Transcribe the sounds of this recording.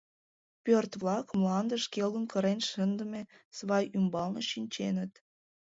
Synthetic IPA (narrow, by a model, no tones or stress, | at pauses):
pørt̪βlɑkmlɑnd̪əʃkelənkəɾenʃənd̪əme | sβɑjymbɑlnoʃinʲt͡ɕenət̪